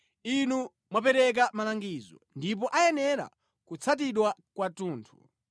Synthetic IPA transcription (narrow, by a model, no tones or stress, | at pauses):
inu | mwapɛɾɛk̬amalaŋɡizɔ̰ndip̬ɔʔajɛnɛɾa̰ | kut͡sʰat̬iɗwakwatuːntʰu̥